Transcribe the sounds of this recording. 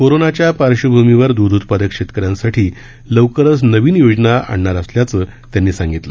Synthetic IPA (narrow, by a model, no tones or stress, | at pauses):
koɾonat͡ɕjapaɾɕəbʱumiʋəɾd̪ud̪ʱut̪pad̪əkʂet̪kəɾjãnsaʈʰiː | ləwkəɾəsnəʋiːnjod͡znaa̰ɳɳaɾəsljat͡səː | t̪janːiːsãŋɡit̪lə